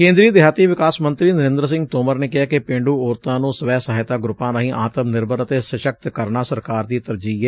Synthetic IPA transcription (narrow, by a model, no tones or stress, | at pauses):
kẽːnd̪ɾiːəd̪ɪɦaːt̪iːʋɪkaːsmə̃nt̪ɾiːnəɾɪ̃nd̪ɾəs̬ɪ̃ŋɡt̪oːməɾneːkɪɦaːkepẽːɳɖuːoːɾt̪ãːnũːsəʋɛːsaɦɪt̪aːɡɾʊpːãːnaɦĩːʔaːt̪əmnɪɾbəɾət̪esəʃək̚t̪kəɾnaːsəɾkaːɾd̪iːt̪əɾd͡ʒiːɦɛː